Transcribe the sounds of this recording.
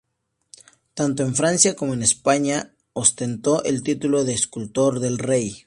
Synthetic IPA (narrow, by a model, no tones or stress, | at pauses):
t̪ant̪oe̞ɱfɾansjako̞mo̞ene̞spaɲa | ost̪e̞nt̪o̞ʔelt̪it̪ulo̞ðe̞ːskult̪o̞ɾðe̞lre̞j